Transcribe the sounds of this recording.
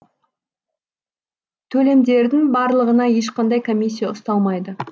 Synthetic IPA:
t̪ʰɵle̞md̪e̞ɾd̪ɪŋbɑɾlˠəʁənɑje̞ʃ̬qɑnd̪ɑjkʰo̞mʲis̬ʲːijɑʊst̪ɑlˠmɑjd̪ə

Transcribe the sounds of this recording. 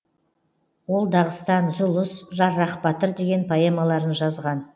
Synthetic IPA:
wo̞lˠd̪ɑʁəst̪ɑnzʊlˠʊsʒɑɾːɑqpɑt̪əɾd̪e̞ɡʲe̞npʰɑjemɑlˠɑɾənʒɑzʁɑn

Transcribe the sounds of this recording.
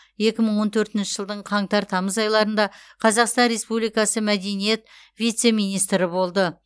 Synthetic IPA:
je̞kʲɪməɴwo̞nt̪ʰɵɾt̪ɪnʃɪ̥ʒ̥əlˠd̪əɴqʰɑɴt̪ɑɾt̪ʰɑməzɑjlˠɑɾənd̪ɑqʰɑzɑqst̪ɑnɾe̞spublijkɑsəmæd̪e̞nije̞t̪ | vʲijt̪se̞mijnijst̪ɾɪbo̞lˠd̪ə

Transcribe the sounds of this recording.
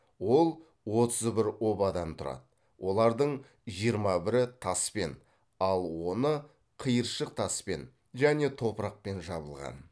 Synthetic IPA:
wo̞lˠ | wo̞t̪əzbɪɾo̞bɑd̪ɑmt̪ʰʊɾɑ̰d̪ə | wʔo̞lˠɑɾd̪əɴ | ʒijəɾmɑbɪɾɪt̪ʰɑspe̞n | ɑlˠwo̞nə | qʰəjəɾʃəq̚t̪ʰɑspe̞̰n | ʒæne̞t̪ʰo̞pəɾɑq̚pe̞nʒɑbəlˠʁɑ̰n

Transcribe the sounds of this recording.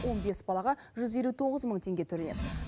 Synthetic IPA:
wʔo̞nbe̞sbɑlˠɑʁɑʒʏze̞lut̪ʰo̞ʁəzməɴt̪ʰe̞ŋɡʲet̪ʰɵɾened̪ɪ

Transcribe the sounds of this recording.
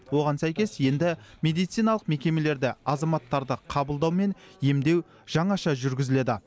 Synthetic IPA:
wo̞ʁɑnsæjkʲe̞sje̞nd̪ɪmʲe̞d̪ijt̪sijnɑlˠəqme̞kʲe̞me̞le̞ɾd̪ɪɑzɑmɑt̪ːɑɾd̪əqʰɑbəlˠd̪ɑwme̞nje̞md̪e̞w | ʒ̥ɑɴɑʃɑʒʏɾɡʲɪzɪle̞d̪ɪ

